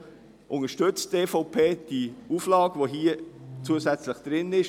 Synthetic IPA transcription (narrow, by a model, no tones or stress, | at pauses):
ʔʊŋəʃtʏt͡steːfɔʊpʰeːd̥iuːflɑːɡ̥əvoɦiət͡suəsɛt͡slɪχd̥ɾɪnɪʃ